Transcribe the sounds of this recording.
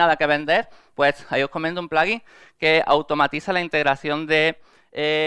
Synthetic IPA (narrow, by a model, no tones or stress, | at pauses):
aðake̞βe̞nd̪e̞ɾpwe̞saio̞hko̞ment̪umplaɣiŋ | kea̰wt̪o̞mat̪iθalaint̪e̞ɣɾaθjo̞nd̪e̞ | e